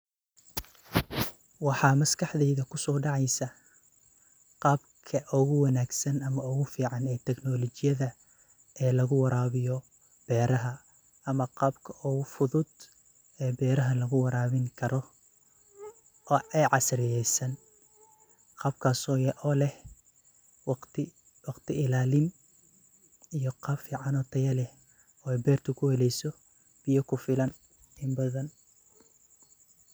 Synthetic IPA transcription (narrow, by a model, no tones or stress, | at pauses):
wɑħɑːmɐskʰɑħðɛjðɐkʰʊsɔːɖɑʕɑjsɐ | qɑːbkʰɐʔɔɣʊwɑnaːɡsɐnɐmɐʊɣʊfiːʕɑnɛːt̪ʰɛɡnɔlɔt͡ʃɪjɐðɐ | ɛːlɐɣʊwɑɾʔaːβɪjɔ | b̥ɛːɾɐɦɐ | ɐmɐqɑːbkʰɐʔɔɣʊfʊðʊd̪ | ɛːbɛːɾɐɦɐlɐɣʊwɐɾaːβɪŋkʰɐɾɔ | ʔɔːʔɛjʕɑsɾɪjɛjsɐn | qɑːb̚kʰaːsɔːjɛʔɔːlɛh | wɑt̪ɪ | wɑqt̪ʰɪɪlaːlɪn | ijɔqɑbfiːʕɑnɔːt̪ʰɐjɐlɛh | ɔːɛjbɛːrt̪ʰɐkʰʊhɛlɛjsɔ | b̥ɪjɐkʰʊfɪlɐn | ɪmbɐðɐn